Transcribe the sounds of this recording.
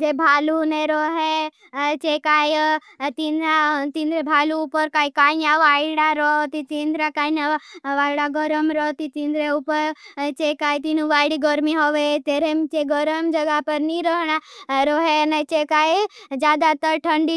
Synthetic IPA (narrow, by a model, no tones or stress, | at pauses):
d͡ʒebʱaːluneɾɔɦe | t͡ʃekaːj | t̪inɾat̪ind̪ɾebʱaːluːpəɾkaːikaːinaʋaːjɽaɾɔɦt̪it͡ʃind̪ɾakaːinaʋaːjɽaɡəɾəmɾɔt̪it͡ʃĩnd̪ɾeupəɾt͡ʃekaːit̪inũʋaːjɽiɡəɾmiɦɔʋet̪eɾemt͡ʃeɡəɾəmd͡ʒəɡapəɾniɾəɦɽ̃aɾoɦenet͡ʃekajd͡ʒjaːd̪at̪əɾʈʰə̃ɳɖi